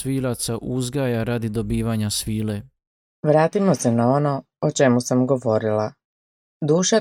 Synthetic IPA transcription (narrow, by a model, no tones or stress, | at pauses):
ʋiːlat̪saʔuzɡaːjaɾad̪id̪obiːʋaɲasʋiːle | ʋɾaːt̪imo̞senao̞no̞ | ot͡ʃe̞musamɡo̞ʋo̞ɾila | d̪uːʃa